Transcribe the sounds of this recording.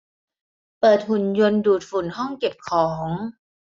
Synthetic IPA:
pɤː˨˩t̪̚hu˨˩njo˧nduː˨˩t̪̚fu˨˩nɦɔ˥˩ŋke˨˩p̚kʰɔː˩˦ŋ

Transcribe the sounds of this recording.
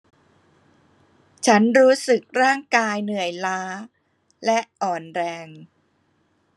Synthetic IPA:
t͡ɕʰa˦˥nɾuː˦˥sɯ˨˩k̚ɾaː˥˩ŋkaː˧jnɯ˨˩əjlaː˦˥ | lɛ˦˥ʔɔː˨˩nɾɛː˧ŋ

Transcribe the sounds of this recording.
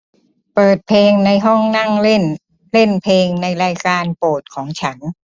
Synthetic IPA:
pɤː˨˩t̪̚pʰeː˧ŋna˧jɦɔ˥˩ŋna˥˩ŋle˥˩n | le˥˩npʰeː˧ŋna˧jɾaː˧jkaː˧npoː˨˩t̪̚kʰɔː˩˦ŋt͡ɕʰa˦˥n

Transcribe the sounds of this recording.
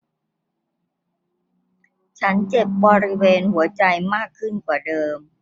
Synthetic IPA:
t͡ɕʰa˦˥nt͡ɕe˨˩p̚bɔː˧ɾi˦˥weː˧nhu˩˦ɐt͡ɕa˧jmaː˥˩kʰːɯ˥˩nkwaː˨˩dɤː˧m

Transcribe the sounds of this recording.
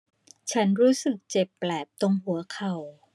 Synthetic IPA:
t͡ɕʰa˦˥nɾuː˦˥sɯ˨˩k̚t͡ɕe˨˩pːlɛː˨˩p̚t̪o˧ŋɦu˨˩˦ɐkʰa˨˩w

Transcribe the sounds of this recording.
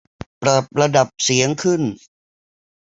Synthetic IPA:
pɾa˨˩p̚ɾa˧da˨˩p̚si˩˦əŋkʰɯ˥˩n

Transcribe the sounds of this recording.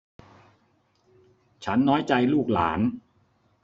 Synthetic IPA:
t͡ɕʰa˦˥nːɔː˦˥jt͡ɕa˧jluː˥˩k̚la̰ː˩˦n

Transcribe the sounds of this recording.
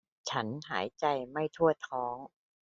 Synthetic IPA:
t͡ɕʰa˦˥nɦa̰ː˩˦jt͡ɕa˧jma˥˩jt̪ʰu˥˩ɐt̪ʰɔː˦˥ŋ

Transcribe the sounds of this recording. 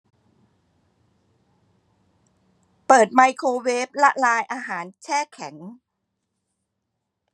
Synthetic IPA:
pɤː˨˩t̪̚ma˧jkʰoː˧weː˦˥p̚la˦˥ʔlaː˧jʔaː˧ɦaː˩˦nt͡ɕʰɛː˥˩kʰɛ˩˦ŋ

